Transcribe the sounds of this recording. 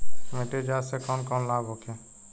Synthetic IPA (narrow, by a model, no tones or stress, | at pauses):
mẽʈed͡ʒaːsekɔːnkɔːnlaːbɦoːkʰẽː